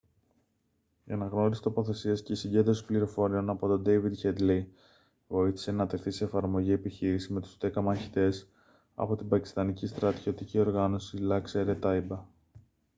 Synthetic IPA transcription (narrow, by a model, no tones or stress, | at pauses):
ḛnɐɣno̞ɾisi̥t̪o̞po̞θe̞siɐsce̞isiɲɟe̞nd̪ɾo̞si̥pliɾo̞fo̞ɾio̞nɐpo̞t̪o̞d̪e̞jvid̪çed̪li | vo̞iθi̥se̞nɐt̪e̞xθise̞ːfɐɾmo̞ʝie̞piçiɾisizme̞t̪ust̪e̞kɐmɐçi̥t̪e̞s | ɐ̰po̞t̪ibɐci̥st̪ɐnicist̪ɾɐt̪o̞t̪icio̞ɾɣɐno̞silɐkseɾet̪ɐibɐ